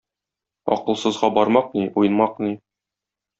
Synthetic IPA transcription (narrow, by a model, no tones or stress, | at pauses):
ɒ̰qɤ̆lˠsɤ̆zʁɑbɒɾmɑq̚niujɤ̆nmɑqni